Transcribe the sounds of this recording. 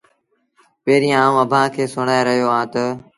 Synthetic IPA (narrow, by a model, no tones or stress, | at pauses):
peːɾĩaːũːəbʱãːkʰeːsʊɳaːeɾəɦijoːãːt̪ə